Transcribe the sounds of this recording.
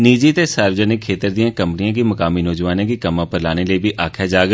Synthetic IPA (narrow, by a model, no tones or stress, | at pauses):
niːd͡ʒit̪esaːɾwd͡ʒənɪkʰeːt̪əɾd̪ijãkɐ̃mpənijãkimɐkaːminɔːd͡ʒʋaːnãkikɐmãpəɾlaːneleːbʱiʔaːkʰad͡ʒaːɡ